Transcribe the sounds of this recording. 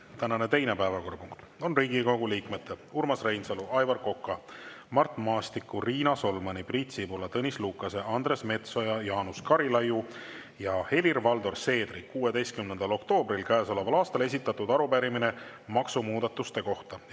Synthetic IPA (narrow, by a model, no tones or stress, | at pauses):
t̪ænɑne̞t̪e̞jne̞pæevɑko̞ːɾpuŋkt̪ | o̞nriːɡiɡo̞ɡuliːkmet̪ːˑeurmɑsre̞jnsɑluɑjvɑrko̞kːˑɑmɑrt̪ˑmɑːst̪ikːˑuriːnɑso̞lmɑnibriːt̪sibolɑt̪ɤnʲisluːkːˑɑse̞ʔɑnd̪re̞sme̞t̪so̞jɑjɑːnuskɑɾilɑju | jɑhe̞lirvɑld̪o̞rse̞ːd̪rikuːwed̪e̞jst̪̚kymnend̪̥ɑlo̞kt̪o̞ːbrilkæːso̞le̞vɑlɑːst̪ɑle̞s̬ʲit̪ːˑɑt̪ːud̪ɑɾupæɾimine̞mɑksumuːd̪ɑt̪ːˑust̪e̞ko̞ht̪ɑ